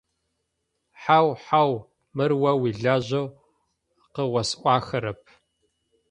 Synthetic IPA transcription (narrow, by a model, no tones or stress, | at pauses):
ħawħaw | mɨrwɐwiɮaːʑɐw | qəwʷɐsʔʷɑːxɐɾɐpʰ